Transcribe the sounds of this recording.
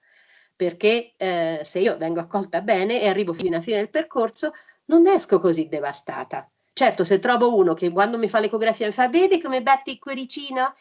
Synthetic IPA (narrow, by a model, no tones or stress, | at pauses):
perk̟eseiːovɛŋɡoakːɔlt̪abɛːneːarːiːvofiinafiːned̪elperkorso | nonːɛskokozid̪ːevast̪a̰ːt̪a | t͡ʃɛrt̪oset̪ːɾɔːvouːnok̟ekwand̪omifalːekoɡɾafiːamifaveːd̪ekomebɛt̪ːikweɾit͡ʃiːno